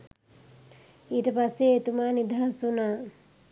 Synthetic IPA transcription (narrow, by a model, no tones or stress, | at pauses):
iːʈəpasːeːt̪umaːnid̪ʱaɦasunaː